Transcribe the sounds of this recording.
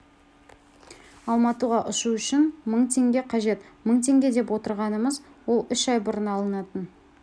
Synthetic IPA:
ɑlˠmɑt̪uʁɑʔʊʃuʏʃɪnməɴt̪ʰe̞ŋɡʲe̞qʰɑʒe̞t̪məɴt̪ʰe̞ŋɡʲe̞d̪e̞pwo̞t̪əɾʁɑnəməzwo̞lˠʏʃɑjbʊɾənɑlˠənɑt̪ən

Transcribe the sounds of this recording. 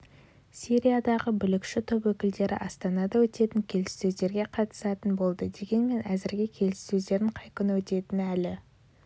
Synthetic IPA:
siɾijad̪ɑʁəbʏlɪkʃɪt̪ʰopwɵkʲɪld̪e̞ɾɪ̰ʔɑst̪ɑnɑd̪ɑwɵt̪e̞t̪ɪŋkʲʰe̞lɪsːɵzd̪e̞ɾɡʲe̞qʰɑt̪ə̥sɑt̪ənbo̞lˠd̪əd̪e̞ɡʲe̞nme̞næzɪɾɡʲɪkʲʰe̞lɪsːɵzd̪e̞ɾɪɴqʰɑjkʲʏnwɵt̪e̞t̪ɪnælɪ

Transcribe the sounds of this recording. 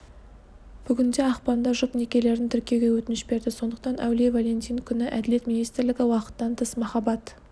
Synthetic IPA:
b̥ʏɡʲɪnd̪e̞ɑqpɑnd̪ɑʒʊqnekʲe̞le̞ɾɪnt̪ʰʏɾkʲijeɡʲe̞wɵt̪ɪnɪʃbe̞ɾd̪ɪso̞nd̪əqt̪ɑnæ̰wlevalʲe̞nt̪ijnkʲʰʏnɪʔæd̪ɪle̞t̪mʲinijst̪ɪɾlɪɡʲɪwɑqə̥t̪ːɑnt̪ʰəsmɑχɑbɑt̪

